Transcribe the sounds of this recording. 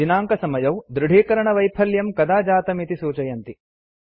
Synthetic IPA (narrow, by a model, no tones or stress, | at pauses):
inaːŋkɐsɐmɐjɐwd̪ɾuɽ̤ʱeːkɐɾɐɳɐʋɐjpʰɐljɐmkɐd̪aːd͡ʒaːt̪ɐmit̪isuːt͡ʃɐjɐnt̪i